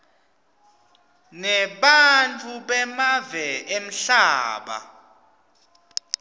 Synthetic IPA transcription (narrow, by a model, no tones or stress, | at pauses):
nɛɓant͡fʰuɓɛmavɛem̩ɬaːɓa̰